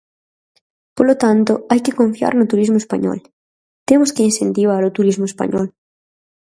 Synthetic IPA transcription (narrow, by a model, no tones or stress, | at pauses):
polot̪ant̪oajkɪkõɱfia̰ɾnʊt̪uɾizmoespa̰ɲɔ̰l | t̪emʊskeinsent̪iβ̞aɾʊt̪uɾizmoespa̰ɲɔ̰l